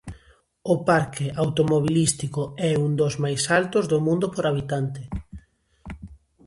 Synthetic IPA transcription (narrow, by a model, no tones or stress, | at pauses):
ʊpaɾkɪʔawt̪omoβ̞ilist̪ikoɛund̪ozmajsalt̪ozðomũnd̪opoɾaβ̞it̪ant̪ɪ